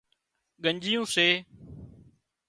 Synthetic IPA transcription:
ɠəɲd͡ʒijũːseː

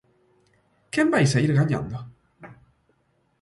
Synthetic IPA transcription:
kembajsaiɾɣaɲã̰nd̪o

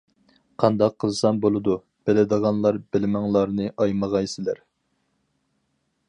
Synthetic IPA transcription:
qʰɑnd̪ɑqʰːəlzˠɨsɑnbolˠɨd̪u | b̥ɪlɪd̪əʁɑnlˠɑɾbɪlmæŋlˠɑɾnɨʔɑjməʁɑjsɪlæɾ

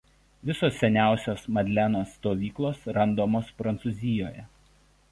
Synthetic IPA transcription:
ʋʲɪsoːsːʲɛnʲæˑʊsʲoːsmɐd̪ʲlʲænoːsːt̪oːʋʲiːklˠoːsɾɐnd̪oːmoːspɾɐnt̪suzʲɪjoːjɛ

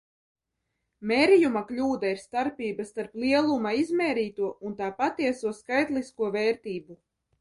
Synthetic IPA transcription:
meːɾijumaklʲuːd̪aiɾst̪aɾpʲiːbast̪aɾplˠiɛlˠumaizmɛːɾiːt̪uɔʔunt̪aːpat̪iɛsuɔskajt̪liskuɔvɛːɾt̪iːbu

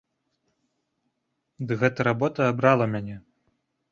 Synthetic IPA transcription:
d̪ɨɣɛt̪ɐɾabɔt̪ɐːbɾalˠɐmʲanʲɛ

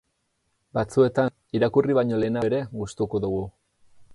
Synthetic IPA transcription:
bat͡sue̞t̪an | iɾakuriβaɲo̞le̞ːnaeɾe̞ɣust̪uko̞ðuɣu

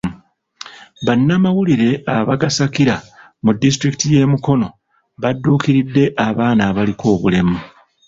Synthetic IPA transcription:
βanːamawuliɾe̞aβaɡasakiɾa | mudːis̬tɾiki̥tije̞ːmuko̞no̞ | βadːuːkiɾidːe̞ʔaβaːnaːβalikʰo̞ːβule̞mu

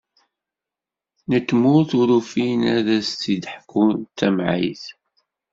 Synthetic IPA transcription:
nət̪ːmuɾθuɾufinæðæsθid̪ħkːunt̪ːæmʕḭjθ

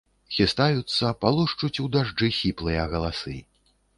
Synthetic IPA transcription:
xʲist̪ajut̪sːɐpalˠuʂt͡ʂut͡sʲud̪aʐd͡ʐɨxʲiplˠɨjɐɣɐlˠasɨ

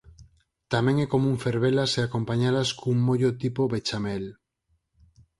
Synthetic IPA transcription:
t̪ameŋeko̞mũŋfe̞ɾβelaseako̞mpaɲalaskouŋmoʝot̪ipoβet͡ʃamel

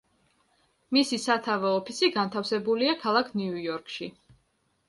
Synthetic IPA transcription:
misisat̪ʰavɔɔpʰisiɡant̪ʰafsɛbuliakʰalˠakʰniujɔɾkʰʃi

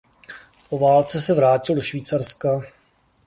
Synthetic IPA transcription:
povaːlt͡sɛsɛvɾaːcɪldo̞ʃviːt͡sarska

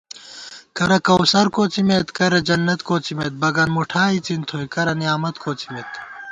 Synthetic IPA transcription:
kɐɾɐkɐwsɐɾkoːt͡simet̪kɐɾɐd͡ʑɐnːɐt̪koːt͡simet̪̚bɐɡɐnmuʈʰaːit͡sint̪ʰoikɐɾɐnijaːmɐt̪kʰoːt͡si̥met̪

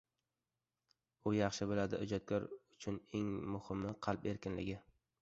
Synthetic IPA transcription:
ʊjɑχʃɪbɪlad̪ɪʊd͡ʒɒt̪̚kʲʰɒɾʊt͡ʃʰʊneŋmʊhɪmːɪqʰɑlˠpe̞ɾkʲɪnlɪ̰ɡʲɪ

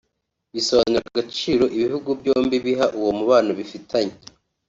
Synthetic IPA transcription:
βisoβanuɾakaɡat͡ʃiːɾo̞ʔiβihuɡubjo̞ːmbiβiɦaʔuwomuβaːnoβifitʰaɲe

